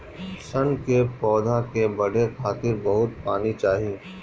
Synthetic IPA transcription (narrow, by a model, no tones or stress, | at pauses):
sɐnkepɔːd̪ʱakebɐɽekʰaːt̪ɪɾbɐɦʊt̪̚paːnit͡ʃaːɦieː